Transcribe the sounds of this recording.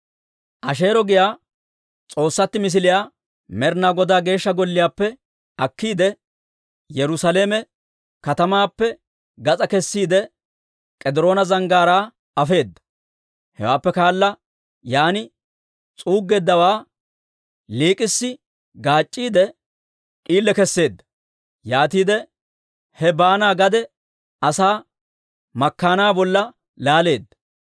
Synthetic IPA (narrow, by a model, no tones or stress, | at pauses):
ʔɐʃe̞ːɾɔɡɪjaː | t͡sʼo̞ːsːɐt̪ːɪmɪs̬ɪlɪjaː | mɛɾnaɡɔd̪aːɡe̞ːʃːɐɡɔlːɪjaːpːɛ | ɐkːiːd̪ɛ | jɛɾʊsɐleːmɛ | kɐt̪ɐmaːpːɛ | ɡɐt͡sʼɐkɛsːiːd̪ɛ | kʼɛd̪ɪɾo̞ːnɐzɐŋɡaːɾaː | ɐfe̞ːd̪ːɐ̥ | hɛ̰waːpːɛkaːlːɐ | jaːnɪ | t͡sʼuːɡːeːd̪ːɐwaː | liːkʼɪsːɪ | ɡaːt͡ʃʼːiːd̪ɛ | kʼiːlːɛkɛsːe̞ːd̪ːɐ̥ | jaːt̪iːd̪ɛ | hɛbaːnaːɡɐd̪ɛ | ɐsaː | mɐkːaːnaːbɔlːɐ | laːle̞ːd̪ːɐ̥